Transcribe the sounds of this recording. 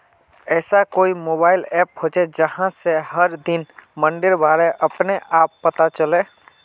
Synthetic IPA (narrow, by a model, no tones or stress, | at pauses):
ɛːsakoːimoːbaːɪlɛːpɦoːd͡ʒed͡ʒəhãsehəɾd̪ɪnmə̃ɳɖɪɾbaːɾeʔəpneʔaːpːət̪at͡ʃəleː